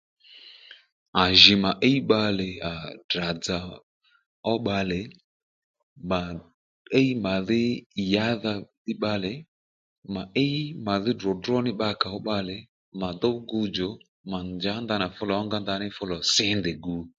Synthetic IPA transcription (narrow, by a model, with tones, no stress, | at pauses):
a˨ʒɪ˨ma˨ʔe˦i˦ɓa˧lɪ˨a˨da˨d͡za˨ | ɔ˦ɓa˧lɪ˨ | ma˨ | e˦i˦ma˨ðɪ˦i˨ja˦ða˧dɪ˦ɓa˧lɛ˨ | ma˨ʔe˦ma˨ðɪ˦dɔ˨dɾɔ˦nɪ˦ɓa˧˦ka˨ɔ˦ɓa˧lɛ˨ | ma˨dɔ˦ɡu˧d͡ʒɔ˨ | ma˨nd͡ʒa˨˦nda˧na˨fʊ˦lɔ˨ɔ˦ŋɡa˦nda˧nɪ˦fʊ˦lɔ˨sɪ˦ndɪ˨ɡu˨˦